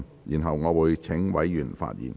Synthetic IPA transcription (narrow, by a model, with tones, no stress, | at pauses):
jiː˨˩nɦɐ˨wŋɔː˨˧wuː˨˧jt͡sʰɪ˨˥ŋwɐ˨˥jjyː˨˩nfa̰ː˧t̚jḭː˨˩n